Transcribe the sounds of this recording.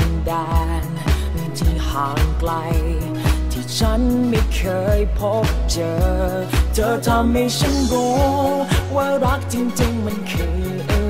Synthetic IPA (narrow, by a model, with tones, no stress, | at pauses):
a˨˧ndaː˧˩n | ni˧t̪ʰi˧˩haː˨˩˦ŋkla˧j | t̪ʰiː˧˩t͡ɕʰa˦˥nma˧˩jkʰɤː˧˦˥jpʰɔ˧˥t͡ɕɤː˨˩ | t͡ɕəː˨˧t̪ʰa˧mːa˧˩jsʰa˧˥nɡoː˧˦ | waː˧wɾa˦˥k̚t͡ɕi˧ŋt͡ɕɪ˧ŋma˧nkʰɯː˨˧ | ʔ